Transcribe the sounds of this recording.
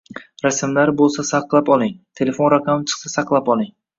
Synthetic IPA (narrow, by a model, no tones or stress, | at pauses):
ɾasmlaɾbolˠsasaqlˠapɒlˠɪŋt̪ʰe̞le̞fo̞nɾakʰamt͡ʃʰɨ̥qsasaqlˠapɒlˠɪŋ